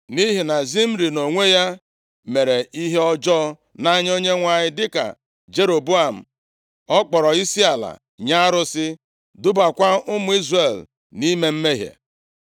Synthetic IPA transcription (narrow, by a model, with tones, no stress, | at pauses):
ni˦ɦi˨na˨zi˦m̩˦ɾi˨no˨ŋʷe˦ja˦ | me˨ɾe˨ʔi˦ɦe˦ɔ˦d͡ʒɔː˦ | na˦ɲ˦o˦ɲe˦ŋʷa˨ɲɪ˦dɪ˦ka̰˨ | d͡ʒe˦ɾo˨bu˦a˨m̩˨ | ɔ˦k͡pɔ˨ɾɔ˨i˦si˦a˨la̰˨ | ɲa˦ɾʊ˦sɪ˦ | dʊ˦ba˨kʷa˦ʊ˦mʊ˨˦i˦zre˨l | ni˦me˦m̩˦me˦ɦḛ˨